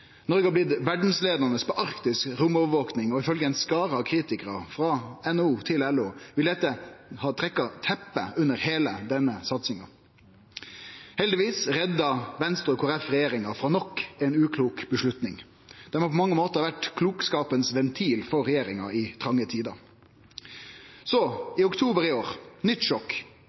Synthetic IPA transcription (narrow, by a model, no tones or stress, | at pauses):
nɔɾɡəɑblɪd̪ʋæɖn̩sleːd̪ɑnəspʰɔʔɑʁkt̪ɪskɾʊmɔʋəʋoːknɪŋɔɪfœlɡəɛɪnskɑːɾəɑkʰɾiːt̪ɪkəɾɑfɾɑɛnuːt̪ʰɪlɛloːʋɪld̪ɛt̪ːəhɑːt̪ʰɾɛkːɑt̪ʰɛpːə̰ʉnəɾheːləd̪ɛnːəsɑt̪sɪŋɑ̰ | hɛld̪ɪʋiːsɾɛd̪ːɑʋɛnst̪ʁʉkʰʊːɾɛfʁɛjeːɾɪŋɑfɾɑnɔkːɛɪnʉːkʰluːkbəʂlʉt̪nɪŋ | d̪̥ɛmɑpʰɔmɑŋːəmoːt̪əʁɑʋæʈkʰluːkskɑːpənsʋɛnt̪ʰiːlfɔɾɛjeːɾɪŋɑɪt̪ʰʁɑŋːət̪ʰiːd̪ɑ | sɔɪʊkt̪ʰuːbəɾɪoːɾnʏt̪ːʃɔk